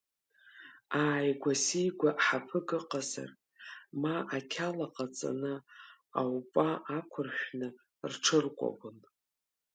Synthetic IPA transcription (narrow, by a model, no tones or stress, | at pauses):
aːjɡʷasijɡʷaʔħapʰɨɡɨqʼaza̰r | maʔakʲʰalaqʼat͡sʼa̰nɨ | awpʼaʔakʷʰʊrʃʷᶣnɨ | rʈ͡ʂʰɨrkʷʼa̰bɨn